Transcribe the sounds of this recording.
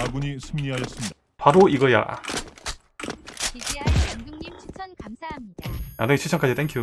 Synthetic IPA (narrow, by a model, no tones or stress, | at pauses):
aɡuɲisʰɯmɲiɦaʌs͈ɯmɲida | paɾoiɡʌja̰ | na̰d͡ʑoŋit͡ɕʰɯt͡ɕʰʌŋk͈ad͡ʑit͈enkʰio